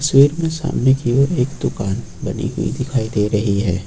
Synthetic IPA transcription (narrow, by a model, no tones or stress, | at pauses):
əswiːɾmẽsa̰ːmnekiʋoɾeːkd̪ʊkaːn | bɐ̰nḭɦʊḭd̪ɪkʰaːid̪eɾɐɦiɦɛː